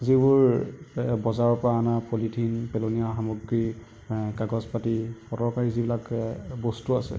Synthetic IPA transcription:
zibʊɹ | bɔzaɹɔpɹaːnapolitʰinpɛlonijaxamɔɡɹi | kaɡɔzpatipɔtɔɹkaɹizibilakbɔstuasɛ̰

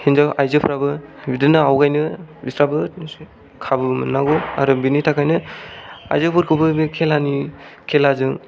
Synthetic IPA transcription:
hinzawajzɯpʰɾabɯbidɯnɯawɡajnɯbistɾabɯ | kʰabɯmɯnːaɡɔa̰ɾubinitʰakʰajnɯ | a̰jzɯpʰɯɾkʰɯbɯmikʰelanikʰelazɯŋ

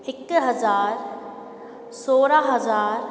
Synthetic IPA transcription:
ɪkɦɐzaːɾ | soːɾaɦɐzaːɾ

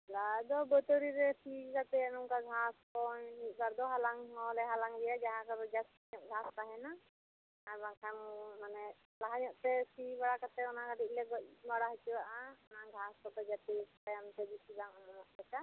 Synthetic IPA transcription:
lad̪ɔbɔt̪ɔɾiɾɛpʰikat̪ɛanɔmkaɡʱaskɔit̪̚ˀbaɾd̪ɔɦalaŋɦɔlɛɦalaŋd̪ɛjad͡ʒaɦãkabɔd͡ʒas | ɲɔʔɡʱaspaɦɛna | aɾbakʰanmanɛ | laɦaɲɔʔt̪ɛpʰibaɽakat̪ɛɔnakadiʔ̚ˀlɛɡɔc̚baɽaɦit͡ʃibaʔaɔnaɡʱaskɔt̪ɛd͡ʒat̪istajamt̪ɛbisibaŋnɔʔbat͡ʃa

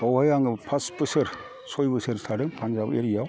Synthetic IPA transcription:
bawhajaŋɯpʰaspɯsɯɾ | sɔjbɯsɯɾsʰaɾɯŋpʰanzabeɾijaw

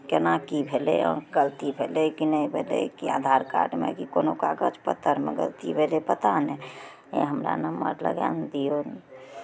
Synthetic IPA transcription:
kenakibʱeleɔ̰ɡəlt̪ibʱelekinəibʱelḛkia̰d̪ʱaɾka̰ɾɖmḛkikonokaɡət͡ʃpət̪ːəɾmḛɡə̰lt̪ibʱelepət̪anɛ | ḛɦəmɾa̰nəməɾlə̰ɡa̰nd̪ijon

